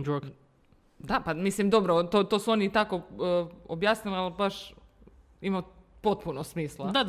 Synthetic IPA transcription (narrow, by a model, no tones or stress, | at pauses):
d͡ʒok | d̪apamislimd̪o̞bɾot̪ot̪osuo̞nit̪ako | objaːsnilialbaʃ | imau | po̞t̪̚punosmiːslˠad̪a